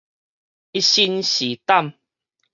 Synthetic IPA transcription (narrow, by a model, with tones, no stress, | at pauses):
i˦ɕi˧nɕi˨˦t̪a˥˨m